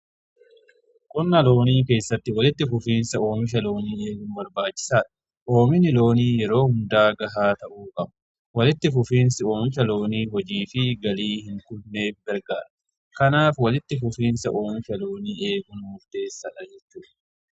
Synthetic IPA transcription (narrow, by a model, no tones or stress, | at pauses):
kʼʊnːɐlo̞ːniːk̬e̞ːsːɐt̪ːɪwɐlɪt̪ːɪfʊfiːnsɐo̞ːmɪʃ̬ɐlo̞ːniːe̞ːɡʊnbɐɾbaːt͡ʃːɪ̥saːᶑɐ̥ | ʔo̞ːmɪnɪlo̞ːniːjɛɾo̞ːhʊnd̪aːɡɐɦaːt̪ɐʔuːkʼɐbɐ̥ | wɐlɪt̪ːɪfʊfiːnsɪo̞ːmɪʃ̬ɐlo̞ːniːɦɔd͡ʒiːfɪɡɐliːhɪŋkʊlne̞ːfbɐɾɡaːɾɐ | kɐnaːfwɐlɪt̪ːɪfʊfiːnsɐʔo̞ːmɪʃɐlo̞ːniːʔe̞ːɡʊnmʊɾt̪e̞ːsːɐᶑɐd͡ʒɛt͡ʃːuːᶑɐ̥